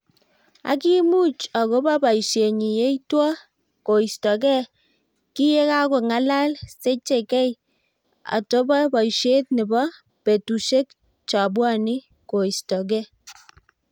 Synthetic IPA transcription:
a̰˨˦ki˦mu˦t͡ʃa˨ko˦ba˦ba˨i˨ʃje˨ɲi˨je˦itwɔ˦ | ko˨i˨stɔ˨kɛ˦ | ki˦je˦ka˦ko˨ŋa˦la˦lse˦t͡ʃe˨kɛ˦j | a̰˨to˦ba˦ba˨i˨ʃe˦t̚nɪ˨bɔ˦ | pe˨tu˨ʃe˦k | t͡ʃa˨bwa˦˨ni˦ | ko˨i˨stɔ˨k̬ɛ˦

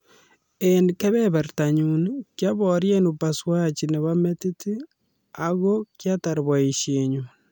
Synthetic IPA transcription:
enike˦βe˦βa˨ɾtaɲunkja˦βoɾje˦nu˨pa˨swa˦t͡ʃi˨ne˨βa˦me˦ti˦ti˦ | aɣo˦kjata˨ɾβa˨i˨ʃeɲu

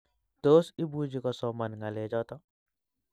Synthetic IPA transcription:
t̪o˦si˦bu˦d͡ʒi˦kɔ˦sɔma˨nŋa˨le˨d͡ʒɔ˦t̪ɔ˦

